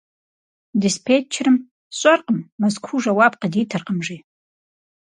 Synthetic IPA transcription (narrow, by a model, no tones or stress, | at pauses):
dispʰet͡ʃʰrɨm | ɕʷʼarqʼəmːazkʷʰuʐawap̚qʼaditʰɨrqʼəmʐi